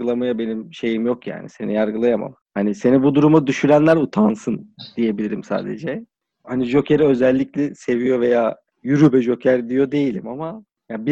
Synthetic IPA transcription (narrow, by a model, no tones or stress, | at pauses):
ɯlˠamajabe̞nimʃe̞jimjo̞kja̰ːnise̞nijaɾɡɯlˠajama̰m | hanise̞nibud̪uɾumad̪yʃyɾænlʲæɾut̪ʰansɯnd̪̥ije̞bilʲiɾimsa̰ːd̪ed͡ʒɛ | haniʒo̞cʰeɾɛø̞zælʲːiclʲɛse̞vijo̞ve̞jaː | jyɾybɛʒo̞cʰæɾd̪ijo̞d̪e̞jilʲḭmama | jabi